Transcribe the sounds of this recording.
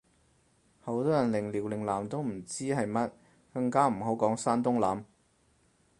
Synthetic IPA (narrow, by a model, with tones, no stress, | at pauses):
ho˨˥wt̪ɔː˥jɐ˨˩nlɪ˨˩ŋliː˨˩wlɪ˨˩ŋlaː˨˩mt̪o˥wm̩˨˩t͡siː˥ɦɐ˨jmɐ˥t̚ | kɐ˧ŋkaː˥m̩˨˩ɦo˨˥wkɔː˨˥ŋsaː˥nt̪ʊ˥ŋlaː˨˥m